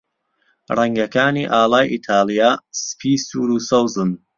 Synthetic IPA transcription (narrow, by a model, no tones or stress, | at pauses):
rɛŋɡɐkaːniːʔaːlaːjʔit̪ʰaːlijaːspʰiːsuːɾusɐwzɨn